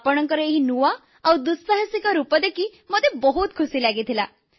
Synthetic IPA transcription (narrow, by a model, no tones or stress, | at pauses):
pɔɽ̃ɔŋkɔɾeɦinuʋa | awd̪usaɦəsikɔɾupɔd̪ekimɔd̪ʱjebɔɦut̪̚kʰusilaɡit̪ʰila